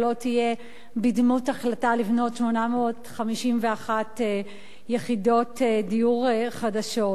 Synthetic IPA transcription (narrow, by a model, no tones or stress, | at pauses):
lo̞tije̞ | bidmutaχlatalivno̞tʃmo̞nameotχamiʃimveaχate | jeχido̞tedijuʁχadaʃo̞